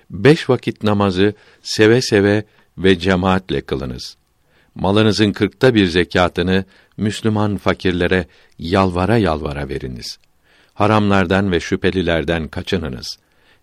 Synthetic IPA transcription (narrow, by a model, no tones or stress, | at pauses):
bɛʃvakʰit̪̚namazɯ | se̞vɛsevɛ | vɛd͡ʒemaːt̪lʲɛkʰɯlˠɯ̰nɯ̰z̥ | malˠɯnɯzɯnkʰɯɾk̚t̪ʰabiɾzecʰaːt̪ʰɯnɯ | myslʲymanfacʰiɾlʲeɾɛ | jalˠvaɾajalˠva̰ɾa̰ve̞̰ɾḭnḭz̥ | haɾamlˠaɾd̪anvɛʃypʰe̞lʲilʲæɾd̪ænkʰat͡ʃʰɯnɯnɯ̰z̥